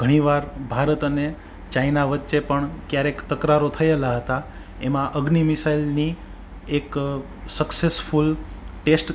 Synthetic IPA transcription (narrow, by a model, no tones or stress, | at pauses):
ɡʱəɽ̃iʋaɾbʱaɾət̪əne | t͡ʃainaʋətːʃepəɳkjaɾekt̪əkɾaɾot̪ʰəelaɦət̪a | emãʔəɡnimɪsailni | ek | səksesfulʈesʈ